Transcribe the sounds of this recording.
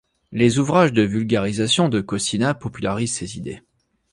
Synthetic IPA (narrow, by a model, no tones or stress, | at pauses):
lezuvʁaʒd̪əvylɡʲaʁizasjɔ̃d̪əkɔsinapɔpylaʁizsezid̪ḛ